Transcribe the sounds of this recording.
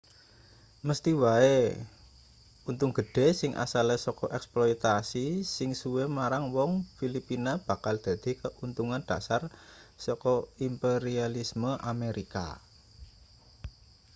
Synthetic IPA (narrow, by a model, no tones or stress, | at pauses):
məst̪iwae | unt̪uŋɡ̥əɖ̥e̤sɪŋʔa̰salesɔkɔʔɛksplɔjt̪asisɪŋsuwemaɾaŋwɔŋfilipinab̥a̤kald̪̥ä̤d̪̥i̤kəʔunt̪uŋand̪̥a̤sarsɔkɔimpeɾialisməʔameɾika̰